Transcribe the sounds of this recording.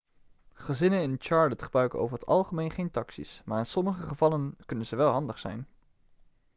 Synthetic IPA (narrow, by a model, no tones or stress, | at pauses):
χəzɪnənɪnt͡ʃɑːɹlətχəbrœɥkəno̰wvəɹɦətɑ̰lˠχəmejnχejntɑksḭsmaːɹɪnsɔməχəχəvɑlənkɵnənzəʋɛlˠɦɑndəχsɛ̰jn